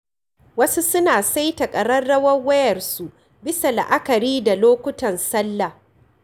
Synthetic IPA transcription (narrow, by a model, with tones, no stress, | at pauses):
wɐ˦su˦sʊ˦naː˨sa˦jtɐ˨kʼɐ˨ɽɐ˦rɽɐ˦wɐ˦ŋwɐ˦jɐ˨rsu˨ | bɪ˦sa˨la̰˨ʔa˦kɐ˨ɾiː˦da˨loː˦kʷʊ˦tɐ˨nsɐ˦lːa˨